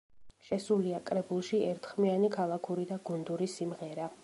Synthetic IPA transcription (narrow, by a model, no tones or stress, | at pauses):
ʃɛsuliakʼɾɛbulˠʃiɛɾt̪ʰχmianikʰalˠakʰuɾid̪aɡund̪uɾisimʁɛɾa